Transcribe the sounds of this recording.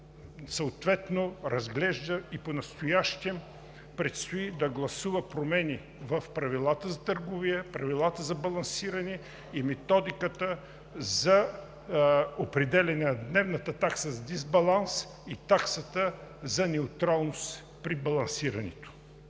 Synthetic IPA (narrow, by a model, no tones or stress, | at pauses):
səot̪vɛt̪noɾɐzɡlɛʒd̪əiponɐst̪ojaʃt̪ɛm | pɾɛt̪st̪oid̪ɐɡlˠɐsuvəpɾomɛni | vəfpɾɐvilˠat̪əzɐt̪əɾɡʊviəpɾɐvilˠat̪əzɐbɐlˠɐnsiɾɐnɛ | imɛt̪ɔd̪ikət̪ə | zɐ | opɾɛd̪ɛlʲɛnɛnɐd̪nɛvnət̪ət̪aksəzɐd̪izbɐlˠans | it̪aksət̪əzɐnɛʊt̪ɾalˠnost̪ | pɾibɐlˠɐnsiɾɐnɛ̰t̪o̥